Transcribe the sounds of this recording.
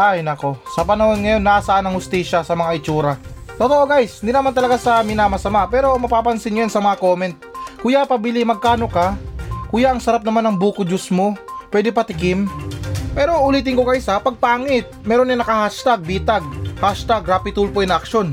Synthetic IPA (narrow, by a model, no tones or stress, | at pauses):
ʔajnɐko̞sɐpɐnɐhonŋɐjo̞nːasɐʔanɐŋhʊst̪iːʃasɐmɐŋaʔɪt͡ʃuːɾat̪ot̪oʔo̞ɡajsɪnd̪inɐmant̪ɐlɐɡasɐmɪnamɐsɐmaʔpɛːɾo̞mɐpaːpɐnsɪnɲjojansɐmɐŋakoːmɛnt̪̚kʊjapɐbɪlɪmɐɡ̚kaːno̞kakʊjaʔɐŋsɐɾap̚nɐmanːɐŋbuːkʊd͡ʒʊsmo̞pwɛːd̪ɛpɐt̪ɪkɪmpɛːɾo̞ʔʊliːt̪ɪŋkokɐʔɪsapɐɡ̚paːŋɪt̪̚mɛːɾonɪnɐkɐhaʃt̪aɡ̚biːt̪aɡ̚haʃt̪aɡɾapɪt̪ulpoɛnʔɐkʃo̞n